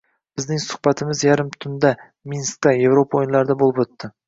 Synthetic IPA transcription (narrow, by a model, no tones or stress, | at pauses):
b̥ɪzd̪ɪŋsʊ̥χbat̪ʰɪmɪzjaɾɪmt̪ʰʊnd̪a | minst̪ːaje̞vɾopʰaojnlˠaɾɪd̪abolˠɪpɵt̪ːɪ